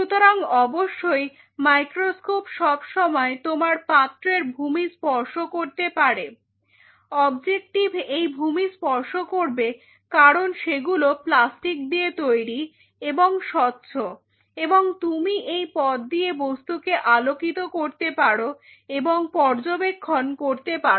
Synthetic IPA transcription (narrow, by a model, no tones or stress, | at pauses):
ʃut̪oɾaŋɔboʃːoj | majkɾoskopʃɔbʃɔmɔet̪omaɾpat̪ːɾeɾbʱumispɔɾʃokoɾt̪epaɾe | ɔbd͡ʑek̚ʈibʱejbʱumispɔɾʃokoɾbe | kaɾonʃeɡuloplasʈik̚d̪iet̪ojɾi | eboŋʃɔt̪ːɕʰo | eboŋt̪umiʔejpɔt̪̚d̪iebost̪ukeʔalokit̪okoɾt̪epaɽo | eboŋpɔɾd͡ʑobekʰːonkoɾt̪epa